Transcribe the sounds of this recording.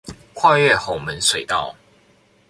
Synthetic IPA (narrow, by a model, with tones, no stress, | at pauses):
kʰwa˥˧ɥɛ˥˨xo˨˩ʊmə˨˦nswe˨˩ɪt̪ɑ˥˨ʊ